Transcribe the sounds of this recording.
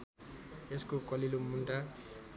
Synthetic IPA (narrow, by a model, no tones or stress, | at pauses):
eskokʌlilomunʈa